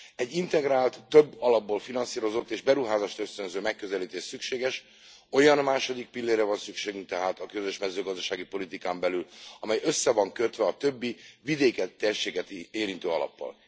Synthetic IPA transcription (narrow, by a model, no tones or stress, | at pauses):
ɛɟːint̪ɛɡɾaːlt̪ːøbːɒlɒb̚ːoːlfinɒnsiːɾo̞zo̞t̪ːeːʒbɛɾuɦaːzaːʃt̪øst̪ønzøːmɛkːøzɛliːt̪eːʃsykʃeːɡɛʃ | o̞jɒnmaːʃo̞d̪ik̚pilːeːrːɛvɒnsykʃeːɡyŋkt̪ɛɦaːt̪ɒkø̞zø̞ʃmɛzøːɡɒzd̪ɒʃaːɡipo̞lit̪ikaːmbɛlylɒmɛjø̞sːɛvɒŋkøt̪ʋɛɒt̪ø̞bːivid̪eːkɛt̪ːerʃeːɡɛt̪eːɾint̪øːɒlɒ̰pːɒ̰l